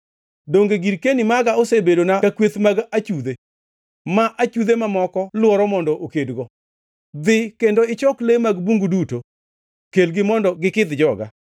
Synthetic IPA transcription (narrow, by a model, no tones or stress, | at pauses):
doŋɡeɡiɾkenimaɡaosebedonakakwet̪maɡat͡ʃud̪e | maʔat͡ʃud̪emamɔkɔlʊɔɾɔmɔndɔʔokedɡɔ | d̪ɪkendoɪt͡ʃɔklemaɡbuŋɡuduto | kelɡɪmɔndɔɡɪkɪd̪d͡ʒɔɡa̰